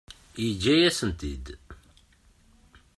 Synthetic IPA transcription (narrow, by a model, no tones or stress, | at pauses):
jəd͡ʒːæjæsənt̪id̪